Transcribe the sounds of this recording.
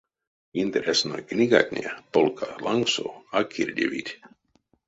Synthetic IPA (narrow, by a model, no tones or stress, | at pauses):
int̪ɛɾʲɛsnojknʲiɡa̰t̪ʲnʲepolkʰalˠaŋksoakʰiɾʲdʲeʋḭtʲ